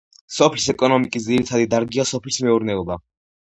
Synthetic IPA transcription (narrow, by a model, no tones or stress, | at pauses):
sɔpʰlisɛkʼɔnɔmikʼis̬d̪ziɾit̪ʰad̪id̪aɾɡiasɔpʰlismɛuɾnɛɔba